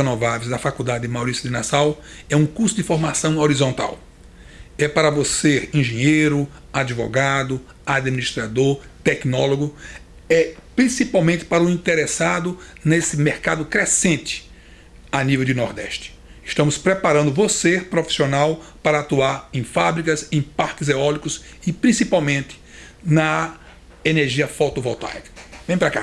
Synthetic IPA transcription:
enɔvavejzd̪ɐfakud̪ad̪ɪɪmawɾisjʊd̪ɪnasawɛũkuɾsʊd̪ɪ̃foɾmasɐ̃w̃oɾizõnt̪a̰w | ɛpaɾɐvoseɾĩʒẽɲejɾʊad͡ʒ̪ivɔ̰ɡad̪ʊ | ad̪miniʃt̪ɾad̪oɾt̪ɛknɔloɡʊ | ɛpɾĩsipawmẽnt̪ɪ̥paɾɐʊĩnt̪eɾesad̪ʊnesɪmeɾkad̪ʊkɾesẽnt̪ɪ̥ | anivewd͡ʒ̪ɪnɔɾd̪ɛ̰ʃt̪ɪ̥ | ɪʃt̪ɐ̃mʊspɾepaɾɐ̃nd̪ʊvosepɾofi̥sionawpaɾɐat̪uaɾẽj̃fabɾikɐzẽj̃paɾkɪzeɔlikʊs | ɪpɾĩsipawmẽnt̪ɪ̥ | nɐ | eneɾʒiɐfawt̪ovɔwt̪a̰jkɐ̥vẽj̃pɾaka̰

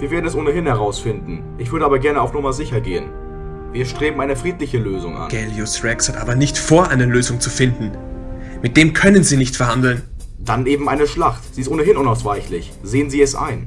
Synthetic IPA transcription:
viːɐveːɐdn̩ɛsʔoːnəɦɪnhɛʁaʊsfɪndn̩ | ʔɪçv̥ʏɐdəaːbɐɡɛɐnəaʊfnʊmɐzɪçɐɡḛːə̰n | viːɐʃtʁ̥eːbm̩aɪnəfʁ̥iːtlɪçəløːzʊŋʔa̰nɡ̥ɛljʊsʁɛkshatʔaːbɐnɪçtfoːɐʔaɪnɐløːzʊŋt͡sufɪndn̩ | mɪt̚d̥eːmkʰœnənziːnɪçtfɛɐhandl̩nd̥anʔeːbm̩ʔaɪnəʃlaχtz̥iːɪstʔoːnəɦɪnʔʊnaʊsv̥aɪçlɪç | z̥eːənziːɛsʔa̰ɪn

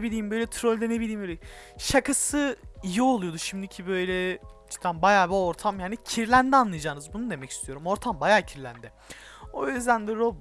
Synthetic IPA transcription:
ebilʲiːmbø̞jlʲɛt̪ʰɾolʲd̪ɛnebilʲiːmøleʃakʰasɯijio̞lˠujo̞d̪uʃimd̪icʰibøjlʲɛt͡ʃʰɯ̥k̪anbajaːbɛoɾt̪ʰamjaːnicʰiɾlʲænd̪ɛanˠɯjd͡ʒaːnɯzbunud̪e̞mɛcʰi̥st̪ʰijo̞ɾumo̞ɾt̪ʰambajaːcʰiɾlʲæ̰nd̪ɛ | o̞̰jyzd̪ænd̪ɛɾo

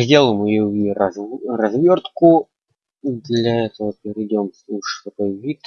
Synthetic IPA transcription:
zʲdʲelˠəmɨjovʲiɐzrɐzvʲort̪kʊ | d̪lʲaɛt̪əvəpʲɪɾʲɪdʲomsˠuʂt̪ɐkojvʲit̪

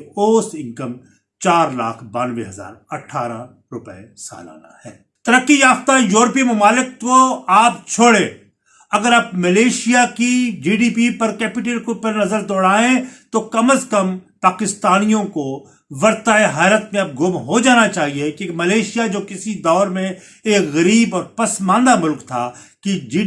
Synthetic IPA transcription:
oːsɪ̃ŋkəm | t͡ʃaːɾla̰ːkʰbaːnʋḛɦɐza̰ːɾɐʈʰaːɾã̰ | ɾʊpɛ̰esa̰ːla̰ːna̰hɛ̰ː | t̪ɐɾəkːijaːft̪ajoːɾpimʊmaːlɪk̚koaːp̚t͡ʃʰoːɽẽː | ɐɡəɾaːp̚mɐleːʃijakid͡ʒiːɖiːpipɐɾkɛːpɪʈ̬elkopɪɾnɐzəɾd̪ɔːɽaːẽt̪okɐməskɐmpaːkɪst̪aːnijõko | ʋɐɾt̪aeɦaːɾət̪mẽɐb̚ɡʊmɦod͡ʒaːnat͡ʃaːɦiekimɐleːʃijad͡ʒoːkɪsid̪ɔːɾmẽ | eːkɣɐɾiːbɔːɾpɐsmãːnd̪amʊlkt̪ʰa̰ | kid͡ʒː

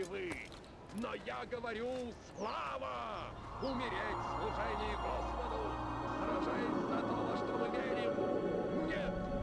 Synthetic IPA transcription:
ɪvɨ | nojaɡəvɐɾʲuslˠavə | ʊmʲɪɾʲetʲslˠʊʐɛnʲɪjɪɡospəd̪ʊsɾɐʐazɐt̪oʂt̪obɨvʲeɾʲɪmnʲet̪

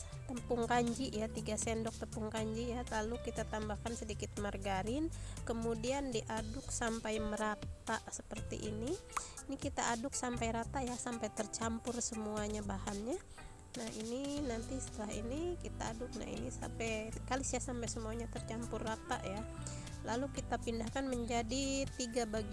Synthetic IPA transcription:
t̪əmpʊŋkaɲd͡ʒiʔjat̪iɡasɛndɔk̚t̪əmpʊŋkaɲd͡ʒijat̪alukit̪at̪ambahkansədikɪt̪̚marɡaɾɪnkəmudiandiʔadʊk̚sampajməɾat̪aʔsəpərt̪ḭʔini | nikit̪aʔːdʊk̚sampajɾat̪ajasampajt̪ərt͡ʃampʊrsəmuaɲabahanɲa | nahininant̪isə̥t̪əlaɦḭnikit̪aːdʊk̚na̰hḭnisa̰mpɛkalisasampajsəmuaɲat̪ərt͡ʃampʊrːat̪a̰ʔja | lalukit̪apindahkanməɲd͡ʒadit̪iɡabaɡ

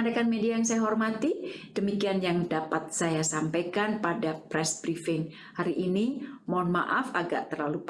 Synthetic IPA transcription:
andakanmediajaŋsajaɦɔrmat̪id̥əmikianjaŋdapat̪̚sajasampajkanpadapɾɛsb̥ɾifɪŋ | haɾiʔinimɔnmaʔafaɡa̰ʔt̪ərlalup

